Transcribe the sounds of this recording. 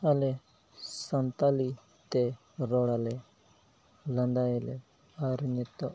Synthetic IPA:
ale | sənt̪aːli | t̪e | ɾoːɽale | lə̃nd̪aele | aɾnet̪ːo

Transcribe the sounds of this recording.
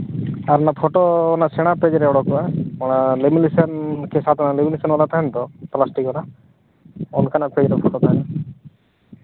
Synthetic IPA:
aɾnapʰɔʈoːnasɛɽ̃aped͡ʒɾɛɔɽɔkɔaɔɽ̃alemilisɔnkesat̪ɔnalemilisɔnɔlat̪ʰaɛnt̪ɔplasʈikɔna | ɔnkanaped͡ʒɾɛpʰoʈot̪ʰajna

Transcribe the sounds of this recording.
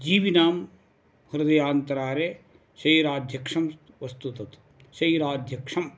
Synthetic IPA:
d͡ʒiːʋinaːm | hɐɾd̪ɐjaːnt̪ɐɾaːɾe | ʃɐjɾaːd̪ʱjɐkʂɐm | ʋɐst̪ut̪ɐt̪ | ʃɐiɾaːd̪ʱjɐkʂɐm

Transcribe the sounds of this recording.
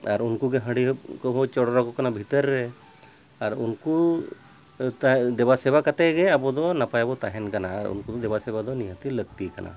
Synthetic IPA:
aɾunkuɡɛɦə̃ɽiɦ̚kɔbʱɔwt͡ʃɔɽɔɾakɔkanabʱit̪əɾːɛ | aɾunku | t̪ad̪ɛbasɛbakat̪ɛɡɛabɔd̪ɔnapajabɔt̪aɦɛnkanaːɾṵnkud̪ɔd̪ɛbasɛbad̪ɔniɦãt̪iləɡ̚t̪ikana̰

